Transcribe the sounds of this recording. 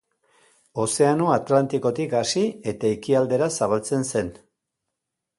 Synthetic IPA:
o̞se̞ano̞at̪lant̪iko̞t̪ikasie̞t̪aikiald̪e̞ɾasaβalt͡se̞nse̞n

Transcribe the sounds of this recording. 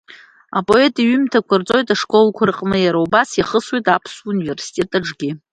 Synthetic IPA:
apʼo̞e̞tʼiɥʏmtʰakʷʰart͡sʼo̞jtʼaʂkʼo̞lkʷʰarɨqʼnɨjaɾaubasiχəswitʼapʰsunive̞rsi̥tʼe̞tʼaʈ͡ʂʼɡʲi

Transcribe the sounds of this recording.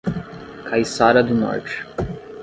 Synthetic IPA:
kʰajsaɾɐd̪ʊnɔ̰ɾt͡ʃɪ̥

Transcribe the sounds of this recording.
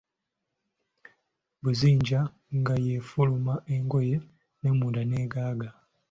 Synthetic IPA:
buziːɲɟa | ŋɡaje̞fulumaʔe̞ŋɡo̞je̞ | ne̞mudane̞ɡaːɡa

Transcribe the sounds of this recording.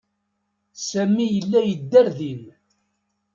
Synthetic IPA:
sæmːijəlːæjəd̪ːæɾðin

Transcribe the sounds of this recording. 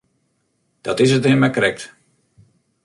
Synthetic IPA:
d̥ɔtɪsətɪmɛkrɛk̚t

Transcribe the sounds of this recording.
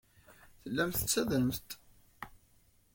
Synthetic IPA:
θəlːæmθə̥t͡sːæðəmθt̪

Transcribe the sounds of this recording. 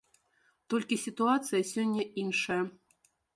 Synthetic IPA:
t̪olʲkʲisʲit̪uat̪sɨjɐsʲonʲːɐinʂɐjɐ

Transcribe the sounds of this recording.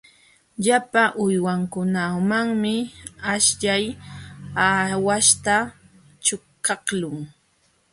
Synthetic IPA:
ʎapaʔʊjwaŋkʊnamaŋmɪaʃʎaj | awaʃt̪a | t͡ʃʊkɑhlʊŋ

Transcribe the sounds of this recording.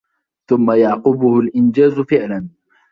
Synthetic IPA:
θʊmːajɑʕqʊbʊhʊlʔɪnd͡ʒaːzʊfɪʕlan

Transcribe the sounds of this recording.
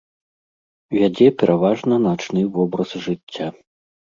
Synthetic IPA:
vʲad͡zʲɛpʲɛɾʔavaʐnɐnat͡ʂnɨvɔbɾɐzʐɨt͡sʲːa

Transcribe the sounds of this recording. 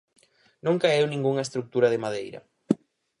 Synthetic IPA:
nũŋkaewnĩŋɡuŋɐest̪ɾuk̚t̪uɾɐð̞ɪmaðejɾɐ̰

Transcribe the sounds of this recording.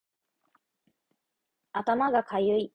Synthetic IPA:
at̪amaɡakʰajɯi

